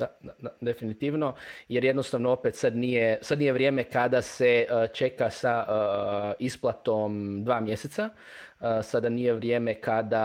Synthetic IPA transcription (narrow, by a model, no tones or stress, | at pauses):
aad̪ad̪efinit̪iːʋno̞jeɾje̞d̪no̞st̪aʋnoopet̪sad̪nijesad̪nije̞ʋɾje̞ːme̞kad̪ase̞t͡ʃe̞kasa | isplˠat̪o̞md̪ʋaːmje̞set̪sa | sad̪aniːjeʋɾje̞ːme̞kad̪a